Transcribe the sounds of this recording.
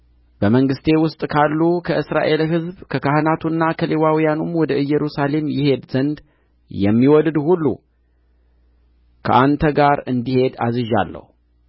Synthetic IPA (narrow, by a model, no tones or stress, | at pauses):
b̥əməŋɡɨst̪ʰe̞wʊst̪ʼkʰalːukʰəʔɨsɾa̰ʔe̞lɦɨzbkʰəkahɨnat̪ʰunːakʰəlewawijanumwɔd̪əɨjːɛɾusale̞mjɪhe̞d̪zənd̪ | jɛmːiwɔld̪hulːṵ | kʰəʔant̪ʰəɡaɾɨnd̪ihe̞d̪azɨʒa̰lːə̰hu